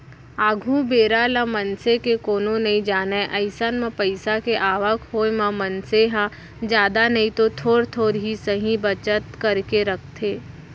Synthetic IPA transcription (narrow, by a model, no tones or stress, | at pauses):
aːɡʱũbeːɾalamənsekekoːnonɐĩd͡ʒaːnaeʔəɪsanmãpəɪsakeʔaːʋəkʰɦoːemãmɐnseɦã | d͡ʒjaːd̪anɐɦĩt̪ot̪ʰoːɾt̪ʰoːɾɦisəɦĩbɐt͡ʃət̪kɐɾkeɾək̚ʰt̪ʰeː